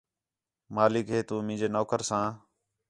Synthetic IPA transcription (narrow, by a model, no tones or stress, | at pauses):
maːlɪkɦeːt̪ũːmĩːd͡ʒeːnoːkəɾsãː